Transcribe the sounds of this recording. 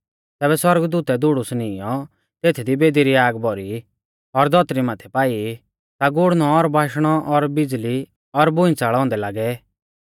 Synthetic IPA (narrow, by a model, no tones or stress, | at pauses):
t̪ɛːβɛswɔɾəɡd̪uːt̪ɛd̪ʊɽusnijɔ | t̪eːt̪ʰid̪ibeːd̪iɾiaːɡbɔɾi | ɔɾd̪ʱɔt̪ɾimaːt̪ʰɛpaːi | t̪aɡʊɽ̤nɔɔɾbʱaːʃɽ̃ɔʔɔɾbɪd͡zli | ɔɾbʊ̃ĩt͡saːɭɔ̃ːnd̪ɛlaːɡɛ